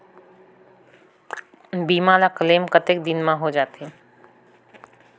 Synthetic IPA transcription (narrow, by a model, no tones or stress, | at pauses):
biːmãːlakəleːmkət̪ek̚d̪ɪnmãɦod͡ʒaːt̪e